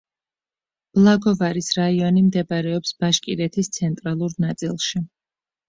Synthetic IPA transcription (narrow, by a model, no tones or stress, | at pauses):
b̥lˠaɡɔvaɾisɾaiɔnimd̪ɛbɾɛɔpsb̥aʃkʼiɾɛt̪ʰist̪sʰɛnt̪ʼɾalˠuɾnat̪sʼilˠʃi